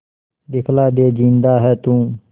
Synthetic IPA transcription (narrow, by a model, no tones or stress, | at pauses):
ɗ̪ɪkʰlaːɗeːd͡ʒĩːnd̪aːɦɛːt̪ũː